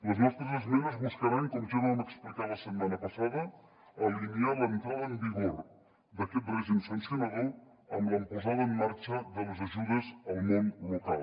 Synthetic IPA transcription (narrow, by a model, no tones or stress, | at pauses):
ləzmɛst̪ɾəzəzmɛnuzβuskəɾaŋkənʒuðəunəksplik̪aləsəd̪manəpəsaðə | əlinialənt̪ɾaðəəmbiɣoɾ | d̪əkɛt̪̚bɾɛzimsunsunaðəw | əmləmpuzaðəːmːaɾt͡ʃəðələzəʒuðəzəlˠmɔnlukalˠ